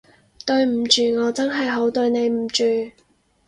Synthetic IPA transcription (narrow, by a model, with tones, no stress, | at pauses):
t̪ɵ˧ɥm̩˨˩t͡ʃyː˨˩ŋɔː˨˧t͡sɐ˥nɦɐ˨jɦo˨˥wt̪ɵ˧ɥne˨˧jm̩˨˩t͡ʃyː˨